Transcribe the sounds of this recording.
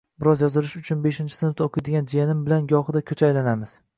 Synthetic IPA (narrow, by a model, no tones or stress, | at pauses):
bɪɾɒzjɒzɪlɪʃʊt͡ʃʰʊnbeʃɪnt͡ʃʰɪ̥sɪnt̪okʰɪjd̪ɪɡʲand͡ʒijanɪmbɪlanɡɒhɨd̪akʲʰɵt͡ʃʰajlanamɪz̥